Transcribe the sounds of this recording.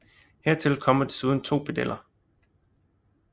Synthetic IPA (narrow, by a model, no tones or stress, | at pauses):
heɐt͡sʰe̝lkʰɒ̽m̰ɐd̥esuð̞ˠn̩t͡sʰo̝̰ːpʰed̥elʔɐ